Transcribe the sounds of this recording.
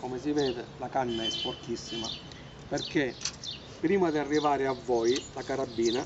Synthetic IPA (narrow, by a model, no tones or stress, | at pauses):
komesivɛːd̪ɪlakanːaɛffɔrk̪isːima̰ | perke | pːɾiːmad̪iarːivaːɾɪavːɔjlakaɾabːiːna